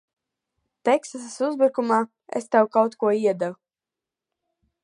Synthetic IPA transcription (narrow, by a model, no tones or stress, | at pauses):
t̪ɛksasasuzbuɾkumaː | ḛst̪ɛwkawt̪kuɔiɛd̪avu